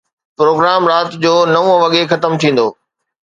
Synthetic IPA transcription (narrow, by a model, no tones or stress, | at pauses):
pɾoːɡɾaːmɾaːt̪d͡ʑoːnɐʋũʋɐɠexɐt̪əmt̪ʰĩːn̆d̪oː